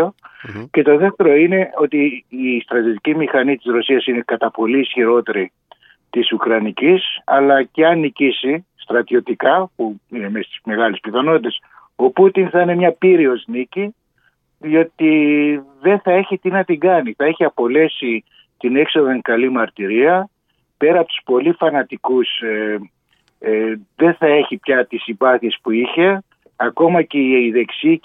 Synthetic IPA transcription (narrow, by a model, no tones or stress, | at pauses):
oce̞t̪o̞ðe̞ft̪e̞ɾoine̞o̞t̪iːst̪ɾɐt̪ijot̪icimixɐnit̪izɾo̞siɐsine̞kɐt̪ɐpo̞liːsçiɾo̞t̪e̞ɾi | t̪isukɾɐnicisɐ̰lɐceɐnicisist̪ɾɐt̪io̞t̪ikɐpuine̞mest̪i̥sme̞ɣɐlispiθɐno̞t̪it̪e̞s | o̞put̪inθɐine̞mɲɐpiɾio̞znici | ðio̞t̪iðe̞θɐe̞çit̪inɐt̪iɡɐniθɐeçiɐpo̞le̞si | t̪ine̞kso̞ðɐŋkɐlimɐɾt̪iɾiɐ | pe̞ɾɐːpot̪u̥spo̞lifɐnɐt̪ikuse | ðe̞θɐe̞çipçɐt̪isibɐθiespuiçe̞ | ɐko̞mɐceiiðe̞ksi